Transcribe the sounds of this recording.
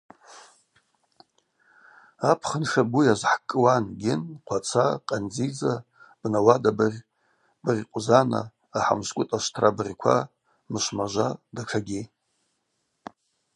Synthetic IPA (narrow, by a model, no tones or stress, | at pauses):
apʰχənʃabujazħkʼɨwanɡʲɪnqʷʰat͡sʰaqʼand͡zid͡za | b̥nawadarʲ | brʲqʷʼzana̰ː | ħa̰mskʷʼʊtʼaʃtʰrʔabrʲkʷʰa̰ | mɨʃmaʒʷadaʈ͡ʂʰaɡʲi